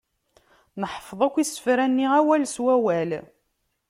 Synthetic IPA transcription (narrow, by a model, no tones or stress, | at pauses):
nəħfðˤækʷːisə̥fɾænːiʁæwælswæwæl